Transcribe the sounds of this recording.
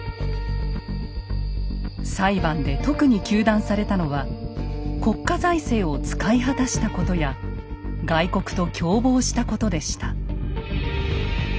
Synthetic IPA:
saibãnd̪e̞t̪o̞kɯ̟ɲ̟ikʲɨːd̪ãɰ̃saɾe̞t̪ano̞βa | ko̞kːazaise̞ːo̞t͡sɨ̥kaiɦat̪aɕi̥t̪ako̞t̪o̞ja | ɡaiko̞kɯ̟̥t̪o̞kʲʰo̞ːbo̞ːɕi̥t̪ako̞t̪o̞d̪e̞ɕi̥t̪ḁ

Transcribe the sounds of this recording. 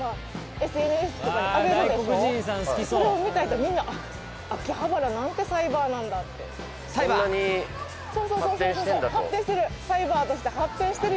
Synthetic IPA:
a | e̞sɨe̞nesɨ̥k̪ok̪aaɡemad̪eokɯʑĩsãɰ̃sɨ̥kʲisoɾeomʲit̪ait̪omʲĩnːaʔaː | kʲihabaɾanãnt̪e̞saibaːnãnd̪at̪ːe̞̰ | saaɲi | so̞ːsosoːsõsod̪ahappːẽɕi̥t̪eɾɯ̟saibaːt̪o̞ɕi̥t̪ehapːẽɕi̥t̪eɾɯ

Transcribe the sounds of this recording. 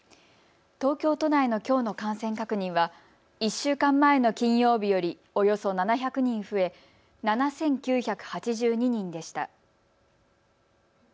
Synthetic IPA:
t̪o̞ːkʲo̞ːt̪o̞naeno̞kʲo̞ːno̞kãɰ̃sẽ̞ŋkakɯ̟ɲ̟ĩɰ̃βa | iɕːɨːkãmːae̞no̞kʲĩɰ̃jo̞ːbʲijo̞ɾʲi | o̞jo̞so̞nanaçakɯ̟ɲ̟ĩɰ̃ɸɯ̟e̞ | nanasẽ̞ŋkʲɨːçakɯ̟̥hat͡ɕiʑɨːɲ̟iɲ̟ĩnd̪e̞ɕi̥t̪a̰

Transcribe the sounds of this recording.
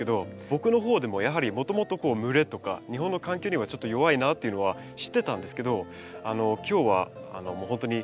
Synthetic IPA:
ed̪o̞bo̞kɯ̟no̞ɦo̞ːd̪e̞mo̞jaɦaɾʲimo̞t̪o̞mo̞t̪o̞ko̞ːmɯ̟ɾe̞t̪o̞ka̰ɲ̟iɦõ̞nːo̞kãŋkʲo̞ːɲ̟iβat͡ɕo̞t̪ːojo̞βainat̪ːe̞iɯ̟no̞a | ɕi̥t̪ːe̞t̪ãnd̪esɨ̥ke̞d̪o̞ | ano̞kʲo̞ːβa̰ːno̞moːɦõ̞nt̪o̞ɲ̟i

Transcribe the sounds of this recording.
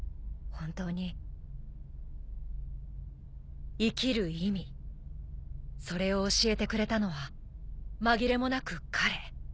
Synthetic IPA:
hõ̞nt̪o̞ːɲ̟i | ikʲiɾɯ̟imʲi | so̞ɾe̞o̞ːɕie̞t̪e̞kɯ̟ɾe̞t̪ano̞βa | maɡʲiɾe̞mo̞nakɯ̟kʰaɾe̞

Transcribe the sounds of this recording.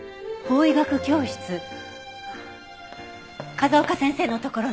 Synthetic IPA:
bo̞ːiɡakɯ̟kʲo̞ːɕi̥t͡sɨ | kazoːkasẽ̞se̞ːno̞t̪o̞ko̞ɾo

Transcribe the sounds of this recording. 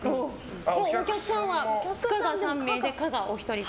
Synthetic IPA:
oː | okʲakɯ̟̥sãɰ̃βakaɡasãmːeːd̪e̞kaɡaʔoçi̥t̪o̞ɾʲi

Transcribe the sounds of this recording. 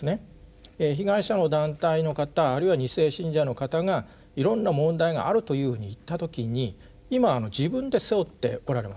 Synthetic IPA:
ne | eçiɡaiɕano̞d̪ãnt̪aino̞kat̪aːɾɯiβaɲ̟ise̞ːɕĩɲ̟d͡ʑano̞kat̪aɡa | iɾõ̞nːamõ̞nd̪aiɡa̰ʔaɾɯ̟t̪o̞jɯ̟ːhɯ̟ːɲ̟iːt̪ːat̪o̞kʲiɲ̟i | imaːno̞d͡ʑibɯ̟̃nd̪e̞se̞ot̪ːe̞̰o̞ɾaɾe̞ma

